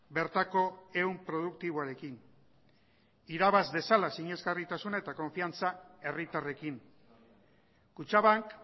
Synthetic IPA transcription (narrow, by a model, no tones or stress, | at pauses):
be̞ɾt̪ako̞e̞umpɾo̞ð̞ukt̪iβ̞oaɾe̞kin | iɾaβazd̪e̞salasiɲe̞zɡarit̪asunaet̪ako̞ɱfiant͡sae̞rit̪are̞kin | kut͡ʃaβaŋk